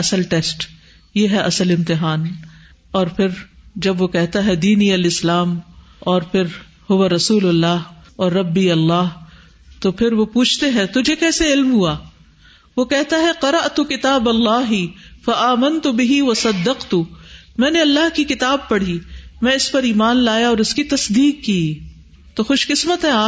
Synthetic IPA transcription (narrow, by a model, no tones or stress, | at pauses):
ɐsəlʈeːsʈ | jeɦɛʔɐsəlɪ̃mt̪ɪɦaːn | ɔːɾpʰɪɾd͡ʒɐbʋokɛɦt̪aɦɛd̪iːniɐlɪslaːm | ɔːɾpʰɪɾ | hʊwaɾɐsuːlɐlːaːɦɔːɾːɐbːiɐlːaːɦ | t̪opʰɪɾʋopuːt͡ʃʰt̪eɦɛ̃t̪ʊd͡ʒʱekɛːseɪlmɦuaː | ʋokɛɦt̪aɦɛqɐɾɐʔt̪ʊkɪt̪aːbɐlːaːɦɪfɐʔaːmɐnt̪ʊbɪɦiʋɐsɐd̪ːɐqt̪ʊmɛ̃ːneɐlːaɦkikɪt̪aːb̚pɐɽ̤imɛ̃ɪspɐɾiːmaːnlaːjaɔːɾʊskit̪ɐsd̪iːqːiː | t̪oxʊʃkɪsmət̪ɦɛ̃aː